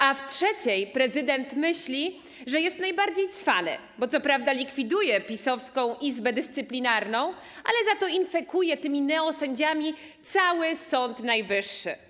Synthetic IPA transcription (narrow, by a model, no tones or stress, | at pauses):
aftʂɛt͡ɕɛjpɾɛzɘd̪ɛnt̪mɘɕlʲi | ʐɛjɛst̪najbaɾd͡ʑejt̪sfa̰nɘ̰ | bɔt̪sɔpɾavd̪alʲikfʲid̪ujɛpʲisɔfskɔ̃w̃ʔizbɛd̪ɘst̪sɘplʲinaɾnɔ̃w̃ | a̰lɛzat̪ɔinfɛkujɛt̪ɘmʲinɛɔsɛɲd͡ʑamʲi | t̪sawɘsɔnt̪najvɘʂːɘ̰